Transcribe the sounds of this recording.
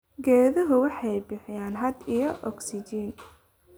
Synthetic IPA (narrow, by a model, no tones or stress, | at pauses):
ɡɛːðɐɦʊwɑħɑjbɪħɪjaːnɦɐd̪ijɔʔɔksɪt͡ʃin